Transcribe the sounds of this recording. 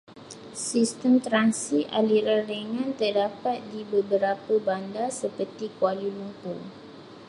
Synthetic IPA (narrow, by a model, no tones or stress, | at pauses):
sist̪əmt̪ɾansiʔa̰liɾadəŋãnt̪ərdapat̪̚dibəbəɾapəbandasəpərt̪ikwalilumpu